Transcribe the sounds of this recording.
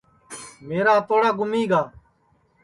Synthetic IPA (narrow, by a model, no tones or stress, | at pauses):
meːɾaːt̪oːɽaːɡʊmiːɡaː